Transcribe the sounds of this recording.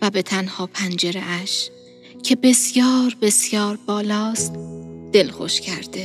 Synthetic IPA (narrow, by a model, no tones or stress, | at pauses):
væbe̞t̪ʰænhɒːpʰænd͡ʒe̞ɾeʔæʃ | cʰe̞be̞sjɒːɾbe̞sjɒːɾbɒːlɒːst̪d̪̥e̞lxo̰ʃcʰæɾd̪̥e